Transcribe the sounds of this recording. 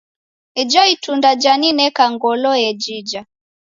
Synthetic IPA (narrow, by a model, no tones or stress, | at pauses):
id͡ʒɔitundad͡ʒaninɛkaŋɡɔlɔjɛd͡ʒid͡ʒa